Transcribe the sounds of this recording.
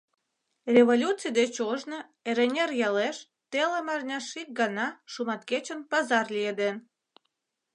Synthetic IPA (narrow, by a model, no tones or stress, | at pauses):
rʲeβolʲut͡sijd̪et͡ɕoʒno | eɾenʲerjɑleʃ | t̪elemɑrnʲɑʃik̚ɡɑnɑʃumɑt̪ket͡ɕənpɑzɑrlʲijed̪en